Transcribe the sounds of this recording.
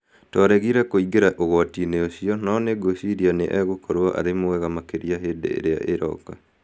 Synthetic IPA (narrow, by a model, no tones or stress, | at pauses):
tɔɾɛɣiɾɛkoiɡeɾaʔoɣɔatineoɕiɔnɔneɡoɕiɾianeʔɛɣokʰɔɾoaʔa̰ɾemoɛɣamakeɾijaɦeːdḛḛɾea̰ʔeɾɔ̰ka